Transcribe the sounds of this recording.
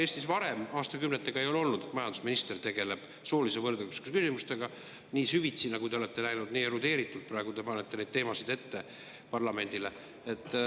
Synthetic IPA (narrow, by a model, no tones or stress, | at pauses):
eːst̪isvɑɾe̞mɑːst̪ɑkymnet̪ːˑeɡ̥ɑe̞jolo̞lnud̪et̪mɑjɑnd̪̥usminist̪e̞rt̪e̞ɡ̥e̞le̞b̥ | so̞ːlise̞vɤrd̪̥ekuse̥kskysimust̪e̞ɡ̥ɑ | niːsyvit̪sinɑɡud̪e̞o̞le̞t̪ːe̞næjnud̪niːeɾud̪e̞ːɾit̪ːˑult̪̚prɑe̞ɡud̪e̞pɑnet̪ːe̞nejd̪̥̚t̪e̞ːmɑsid̪̥e̞t̪ːe̞ | pɑrlɑme̞nʲd̪̥ile̞ | et̪ːˑ